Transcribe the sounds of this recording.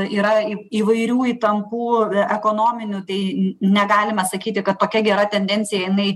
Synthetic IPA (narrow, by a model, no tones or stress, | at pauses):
iːɾɐiiːʋɐɪɾʲuːiːt̪ɐmpuːɛkoːnoːmʲɪnʲuːt̪ɐɪnʲɛɡɑːlʲɪmɐsɐkʲiːt̪ʲɪkɐt̪toːkʲɛɡʲɛɾɐt̪ʲɛnʲd̪ʲɛnʲt͡ssʲɪjɛjɪnɐɪ